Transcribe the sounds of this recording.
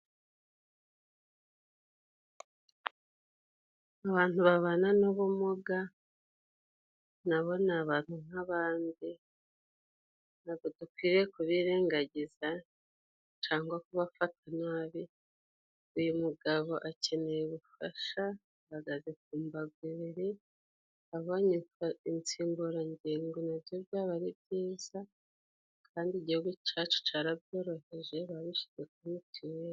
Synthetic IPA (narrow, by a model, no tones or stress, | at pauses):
aβaːnhuβaβananoβomoɡa | naβo̞naβaːn̥un̥aβaːndi | naɡodukwiːɾekuβiːɾeːŋɡaɟiza | t͡ʃaːŋɡwakuβafat̚anaːβi | ujumuɡaβo̞ʔace̞ne̞jeβufa̰ʃa | βaɡazek̚uːmbaɡwiβiɾi | aβo̞ːɲekaint͡siːmbuɾaɲɟiːŋɡonavjo̞bjaːβaɾibjiːz̥a | kʰaːndiɟihuɡucaːt͡ʃe̥t͡ʃaːɾab̚jo̞ːɾo̞he̞ʒe̞βaβiʃi̥zekunitiwe